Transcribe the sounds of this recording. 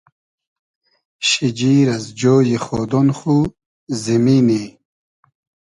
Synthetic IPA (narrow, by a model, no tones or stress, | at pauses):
ɕid͡ʑiːɾɐzd͡ʑoːjiχoːd̪onχu | zimini